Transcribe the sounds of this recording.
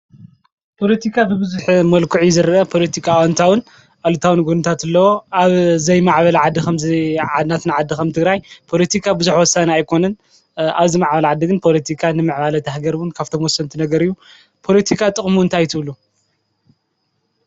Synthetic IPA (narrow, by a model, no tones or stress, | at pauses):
pʰo̞lɐt̪ʰikʰabɨbɨzuħmɐlkʰuʕizɨɾɐʔɐpʰo̞lɐt̪ʰikʰawant̪ʰawɨn | ʔalut̪ʰawɨnɡunɨt̪ʰat̪ɨlːɐwoʔaβzɐjmaʕβɐlɐʕad̪ːixɐmziʕad̪nat̪nɨʕad̪ːikɐmt̪ʰɨɡɾajpʰo̞lɐt̪ʰikʰabɨzuħwɔsːaniajkʰo̞nɐn | aβzimaʕbɐlʕad̪ːiɡɨnpʰo̞lɐt̪ʰikʰanɨmɨʕβalɐt̪ʰahɡɐɾwɨnkʰaβt̪ʰomwɔsːɐnt̪ʰinɐɡɐɾɨjːu | pʰo̞lɐt̪ʰikʰat̪ʼɨχʼmuɨnt̪ʰajt̪ʰɨβlu